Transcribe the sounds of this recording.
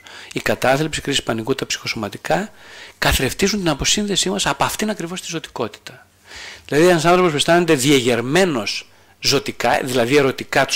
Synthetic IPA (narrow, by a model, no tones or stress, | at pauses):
ikɐt̪ɐθlipsikɾisi̥spɐnikut̪ɐpsi̥xo̞so̞mɐt̪ikɐkɐθeɾe̞ft̪izunt̪inɐpo̞sinðe̞simɐsɐpoɐft̪inɐkɾivo̞st̪izo̞t̪i̥ko̞t̪i̥t̪ɐ | ððilɐðienɐs̬ɐnθɾo̞po̞spest̪ɐnet̪eðieʝe̞ɾme̞no̞s | zo̞t̪ikɐðilɐðie̞ɾo̞t̪ikɐt̪u